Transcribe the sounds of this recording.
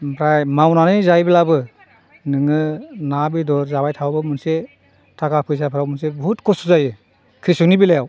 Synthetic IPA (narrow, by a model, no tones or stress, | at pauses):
pʰɾajmawnanɯjzajbilabɯ | nɯŋɯnabidɔɾzabajtʰawbɯmɯnse | tʰakapʰɯjs̬apʰɯɾawmɯnsebɔɦutkʰɔsuzajɯ | kʰɾisuŋnibilajaw